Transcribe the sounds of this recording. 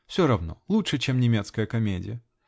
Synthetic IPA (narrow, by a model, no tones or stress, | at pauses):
fsʲoɾɐvno̰lˠutʂɨt͡ɕemnʲɪmʲet̪skəjəkɐmʲedʲɪ̰jə